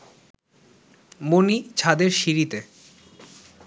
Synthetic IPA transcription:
monit͡ɕʰad̪eɾʃiɾit̪e

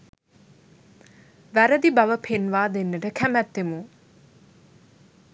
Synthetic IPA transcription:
ʋæɾəd̪ibaʋəpʰenʋaːd̪enːəʈəkʰæmæt̪ːemu

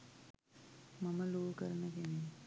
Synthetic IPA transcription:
maməluːkəɾənəkene

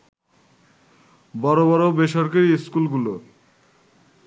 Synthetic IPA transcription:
bɔɾobɔɾobeʃɔɾkaɾiskulɡulo

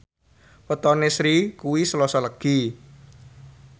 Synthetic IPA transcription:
wət̪ɔnesɾikuwisəlɔsɔləɡ̥i

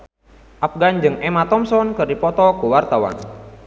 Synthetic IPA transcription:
ʔapɡand͡ʒɨŋɛmat̪ɔmsɔnkɨrdipɔt̪ɔkuwart̪awa̰n

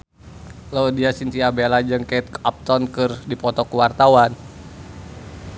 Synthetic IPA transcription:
lɔdiasint̪iabelad͡ʒɨŋkat̪̚ap̚t̪ɔnkɨrdipɔt̪ɔkuwart̪awan

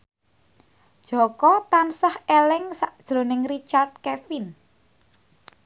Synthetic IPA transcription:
d̥ʒ̥ɔ̤kɔt̪ansahɛlɛŋsaʔd̥ʒ̥ɾo̤nɪŋrit͡ʃart̪̚kɛfin

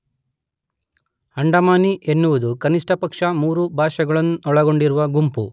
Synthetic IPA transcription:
hɐɳɖɐmaːniʔenːuʋud̪ukɐniʂʈɐpɐkʂɐmuːɾubʱaːʃɐɡɐɭɐnːuɔɭɐɡo̞ɳɖiɾuʋɐɡumpu

